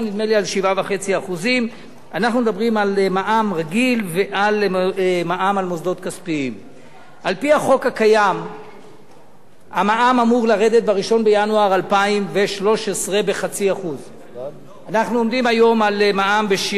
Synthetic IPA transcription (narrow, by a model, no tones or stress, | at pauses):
nid̪melialʃivavaχe̞t͡siaχuzim | anaχnumed̪abʁimalmaʔamʁaɡilveʔalmaʔamalmozd̪o̞t̪̚kaspiim | ʔalpiaχo̞khakajam | amaʔamamuʁlaʁe̞d̪e̞t̪̚baʁiʃo̞nbejanuaʁalpaimve̞ʃlo̞ʃesʁebe̞χat͡siaχuz | anaχnuo̞md̪imajo̞malmaʔambeʃ